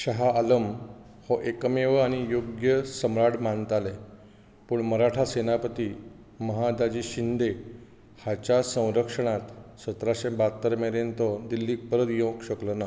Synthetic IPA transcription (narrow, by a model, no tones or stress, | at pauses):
ɕəɦaːləm | hɔʔekəmeʋəaɽ̃ijoɡjəsəmɾaɽmant̪ale | puːɳməɾaʈʰasenapət̪iː | məɦad̪ad͡ʑiːɕind̪e | hat͡ɕasə̃w̃ɾəkʂəɳ̃at̪sət̪ɾaɕẽbat̪ːəɾmeɾent̪ɔd̪ilːiːk̚pəɾət̪jõkɕəklona